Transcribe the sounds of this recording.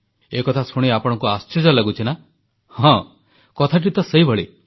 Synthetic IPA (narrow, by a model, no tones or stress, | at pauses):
ekɔt̪ʰasʰoɽ̃iapɔɽ̃ɔŋkuast͡ʃid͡ʒɔlaɡut͡ʃʰina | hɔ̃ | kɔt̪ʰaʈ̬it̪ɔseibʱɔɭe